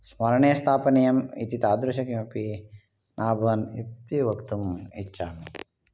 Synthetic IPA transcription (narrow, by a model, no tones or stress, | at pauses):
smɐɾɐɳeːst̪ʰaːpɐnijɐmḭt̪it̪aːd̪ɾɐʃɐkimɐpi | nʔaːbʱɐnḭpt̪iʋɐkt̪umit͡ʃːaːmi